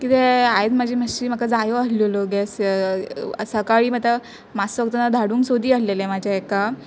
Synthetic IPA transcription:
kit̪eaed̪mad͡ʑʱiːməiːm̤əkad͡zajoasloloɡes | səkaɭiːmat̪a | masəɡt̪ənad̪ʱaɽuːŋksod̪iːəslelemad͡ʑʱaeka

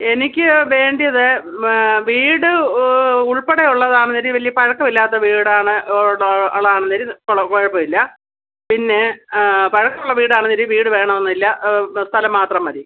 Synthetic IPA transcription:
e̞nikʲːɨʋe̞ːɳɖijɐðɨ | ʋiːɽɨ | uɭpeɽejuɭːɐðaːɳɨnɐɾiʋɐlijɐpɐɻɐkːɐmilːaːt̪ːɐʋiːɽaːɳɨ | ɐɭːɐaːɳɨnːɐɾikokoɻɐpːɐʋilːɐ | pinːe̞pɐɻɐkːɐmuɭːɐʋiːɽɨaːɳɨnɐɾiʋiːɽɨʋe̞ːɳɐmenːilːɐst̪ʰɐlɐmːaːt̪rɐmɐɾi

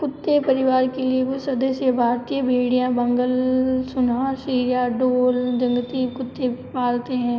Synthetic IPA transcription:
kʊt̪ːepɐɾɪʋaːɾkelieʋosɐd̪əsjəbʱaːɾt̪iəbʱeːɽijãbɐ̃ŋɡəlsʊnasiːɾjaɖoːld͡ʒɐ̃ŋɡət̪ikʊt̪ːebʱipaːlt̪eɦɛ̃ː

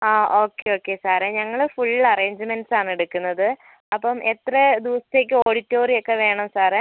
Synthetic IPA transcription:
aːʔo̞ːkːeo̞ːkːesaːɾeɲɐŋːɐɭfuɭːlɐre̞ːɲd͡ʑɨmenɖsaːɳeɽukːunːɐðɨ | ɐpːɐmʔet̪rɐd̪uʋɐsi̥t̪e̞ːk̬ʲːɨoːɽitːo̞ːrijo̞kːe̞ʋe̞ːɳɐmsaːɾe

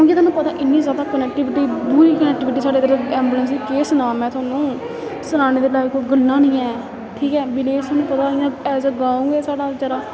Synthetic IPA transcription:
kõːkɪt̪ʰaːnũːpət̪aːʔɪnːĩːzjaːd̪aːkənɛːk̚ʈɪʋɪʈiːbuːɾiːkənɛːk̚ʈɪːʋɪʈ̬iːsaːɖeːd̪eɾɛːmbuləns̬iːkeːsənãːmɛ̃ːt̪ʊaːnũː | sənaːñeːd̪eːlaːekoiɡəlːãːnĩːɛː | ʈʰiːkɛːbɪleːst̪ʰaːnũːpət̪aːɪjãːɛːsɡaːũːɡeːsaːɖaːd͡ʒəɾaː

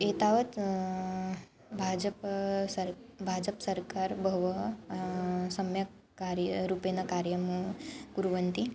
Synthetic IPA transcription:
et̪aʋɐt̪ | bʱad͡ʒəpsəɾbʱad͡ʒəpsəɾkaɾbʱəʋə | sɐmja | kaɾjɾupenakaɾjəmuɡuɾuʋənt̪i

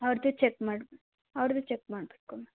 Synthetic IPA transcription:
ɐʋɾd̪ut͡ʃekmaːɖb | ɐʋɾd̪ut͡ʃek̚maːɖbeʈ̚kome

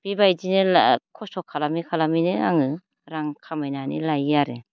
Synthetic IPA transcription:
b̥ibajdinɯakʰɔsɔkʰːalamikʰalaminɯaŋɯ | ɾaŋkʰamajnanḭlajaɾɯ

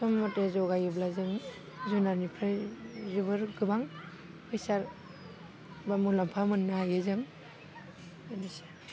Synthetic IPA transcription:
sɔmːɔtezɔɡajɯblazɯŋ | zunanipʰɾɯzubɯɾɡɯbaŋ | pʰɯjsaɾ | bamulampʰamɯnːaajɯzɯŋ | anise̥

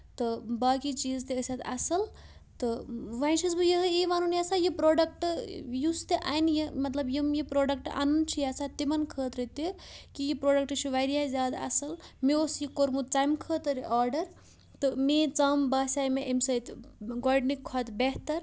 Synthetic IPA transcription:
t̪ɔbakit͡ʃizt̪eəsat̪a̰sɐl | t̪ɨʋansisbɨjeɦiʋanunijasajipɾoɖək̚ʈjust̪eʔa̰jnjemɐt̪lɐbjimjipɾoɖək̚ʈa̰nunt͡ʃʰijasʰat̪ːimɐnkʰəːt̪ɾət̪ekijipɾoɖɐk̚ʈʃʰiʋajɾijazaːd̪a̰sɐlmeosjikoɾmut̪̚t͡ʃajmkʰət̪ɾiʔaɾɖɐɾ | t̪ɔmet͡sɐmbasajmeʔemsəit̪ɡɔɖnikʰːɔt̪beɦt̪əɾ

